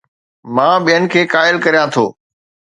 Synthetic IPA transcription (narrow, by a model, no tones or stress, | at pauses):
mãːɓijənɪ̆kʰeːkaːɪlkɐɾijãt̪ʰo̰ː